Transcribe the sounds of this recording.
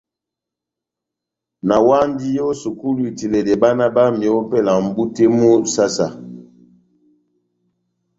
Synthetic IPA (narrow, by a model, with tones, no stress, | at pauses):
na˨wa˦ndi˦jo˦o˦su˨ku˦lwi˨ti˨lɛ˨dɛ˨ba˦na˦ba˦m˨ɔ˨o˦pɛ˦˨la˨m̩˨bu˦te˦mu˦sa˦sa˨